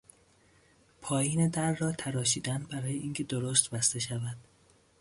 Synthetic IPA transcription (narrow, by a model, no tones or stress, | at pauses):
pʰɒːjiːne̞d̪æɾːɒːt̪ʰæɾɒːʃiːd̪ænbæɾɒːje̞ʔiːŋcʰe̞d̪oɾost̪bæst̪e̞ʃævæd̪̥